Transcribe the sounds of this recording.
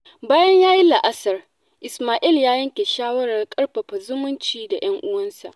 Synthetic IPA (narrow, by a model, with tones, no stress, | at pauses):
baː˦jɐ˦ɲjaː˦ji˦la˨ʔa˦sɐ˨r | ʔɪ˨smaː˨ʔi˦˨ljaː˦jɐ˦ŋkʲe˨ʃaː˦wɐ˦ɽɐ˨rkʼɐ˦ɽɸɐ˨ɸa˨zʊ˦mʊ˦nt͡ʃiː˨da˨j̰ɐ˦ŋʔʊ˦wɐ˦nsa̰˨ʔ